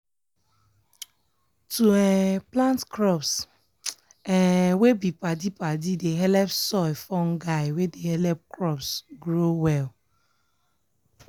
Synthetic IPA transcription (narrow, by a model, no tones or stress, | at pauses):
tuɛplãntkɹɔps | ɛwebipadipadideɦɛlɛpsɔjfɔ̃nɡaɪwedehɛlɛp̚kɹɔpsɡɹowɛl